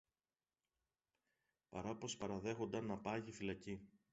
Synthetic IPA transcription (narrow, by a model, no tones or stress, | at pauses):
pɐɾɐpo̞spɐɾɐðe̞xo̞nd̪ɐnɐpɐʝifilɐci